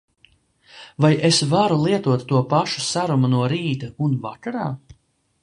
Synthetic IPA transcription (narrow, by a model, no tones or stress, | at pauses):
vajʔesvaɾulˠiɛt̪uɔt̪ːuɔpaʃu̥saɾumunuɔɾiːt̪aunvakaɾaː